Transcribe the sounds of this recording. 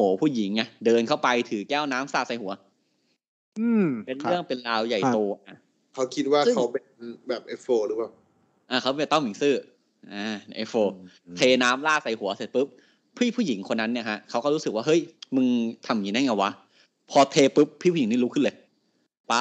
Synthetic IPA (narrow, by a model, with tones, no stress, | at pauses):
hoː˩˦pʰuː˥˩ji˩˦ŋʔa˧˩dɤː˧nkʰa˥˩wpa˧jt̪ʰɯː˩˦kɛː˥˩wnaː˦˥msaː˥˩sa˨˧jhu˨˩˦ɐ˦ | ʔɯː˧˩pe˧nɯ˥˩əŋpe˧nlaː˧wja˨˩jt̪oː˧ʔa˧˩ | kʰa˦˥wkʰi˦˥t̪̚waː˥˩kʰa˦˥wpe˧nbɛː˨˩p̚ʔe˦˥foː˧ɾɯː˨˦paː˨˩w | ʔaː˧˩kʰa˦˥wpe˧ɛ˨˩t̪ːwi˩˦ŋsɯː˥˩ | ʔaː˧˩n˧ʔa˦˧˥foː˧ | t̪ʰeː˧naː˦˥mlaː˥˩sa˨˧˩jhu˨˩˦ɐse˨˩t̪̚pɯ˦˥p̚ | pʰːiː˥˩pʰuː˥˩ji˩˦ŋkʰo˧nːa˦˥nːi˥˩kʰa˦˥ʔkʰa˦˥wkɔː˥˩ɾuː˦˥sɯ˨˩k̚waː˥˩ɦɤ˦˥˩jmɯ˧ŋt̪ʰa˧˩mji˨˧˦na˦˥˩ŋa˧˩wa˦˥ | pʰɔː˧t̪ʰeː˧pɯ˦˥p̚ʰːiː˥˩pʰuː˥˨i˩˦niː˥˨u˦˥kʰɯ˥˩˨lɤː˧j | paː˦˥